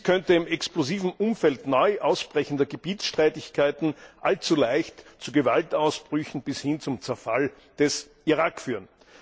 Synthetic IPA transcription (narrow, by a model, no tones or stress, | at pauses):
kʰœntəɪmɛksploziːvm̩ʔʊmfɛltnɔʏʔaʊsb̥ʁɛçəndɐɡəb̥iːtsʃtʁ̥aɪtɪçkʰaɪtn̩ʔalt͡sulaɪçtt͡suɡəvaltaʊsb̥ʁʏçn̩b̥ɪshɪnt͡sʊmt͡sɛɐfal | d̥ɛs | ʔiʁakfyːʁən